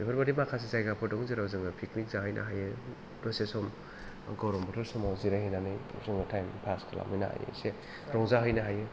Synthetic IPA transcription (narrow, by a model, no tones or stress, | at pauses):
bepʰaɾbadimakʰas̬izajɡapʰɔdɔŋziɾawzɯŋɯpʰiknik̚zaɦɯjnʔa̰ɦajɯ | dɔsesɔm | ɡɔwɾɔmbɔtʰɔɾsɔmawziɾahinanɯjzɯŋatʰajmpʰaskʰala̰mɯjna̰a̰jḛse | ɾɔŋzaɦɯjnaɦajɯ